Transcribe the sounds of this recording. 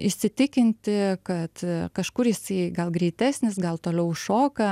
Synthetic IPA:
ɪʃʲsʲɪt̪ʲɪkʲɪnʲt̪ʲɪkɐt̪kɐʃkʊɾjɪsɐɪɡɐlˠɡɾʲɛɪt̪ʲæːsʲnʲɪsɡɐlˠt̪oːlʲɛʊʃoːkɐ

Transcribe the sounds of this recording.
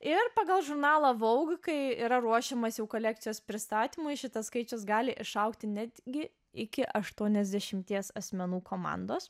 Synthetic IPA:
ɪrpɑːɡɐlˠʒʊɾnɑːlˠɐʋɐʊɡkɐɪiːɾɐɾuɔʃʲɛmosjɛʊkoːlʲæːk̚t̪sʲɪjoːspʲɾʲɪst̪ɑːt̪ʲimʊɪʃʲɪt̪ɐskɐɪt͡ʃʲʊsɡɑːlʲɪʔɪʃɐʊkt̪ʲɪnʲæːd̪ʲɡʲɪ | ɪkʲɪʔɐʃt̪uɔnʲɛzʲd̪ʲɛʃʲɪmʲt̪ʲiɛsɐsʲmʲɛnuːkoːmɑ̰ːnd̪oːs

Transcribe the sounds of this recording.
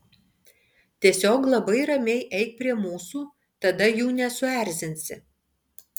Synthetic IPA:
t̪ʲiɛsʲoːklˠɐbɐɪɾɐmʲɛɪʔɛɪk̚pʲɾʲiɛmuːsuː | t̪ɐd̪ɐjuːnʲɛsʊæˑɾʲzʲɪnʲsʲɪ

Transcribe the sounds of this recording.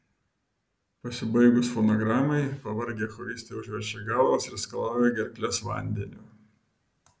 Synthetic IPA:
pɐsʲɪbɐɪɡʊsfɔnɔɡɾɑːmɐɪpɐʋɐɾʲɡʲexɔɾʲɪsʲt̪ʲeʊʒʲʋʲɛt͡ʃʲɛɡɑːˑlˠʋoːsɾʲɛskɐlˠɑːʊjɛɡʲɛɾʲklʲɛsʋɐ̰ˑnʲd̪ʲɛnʲuːˑ

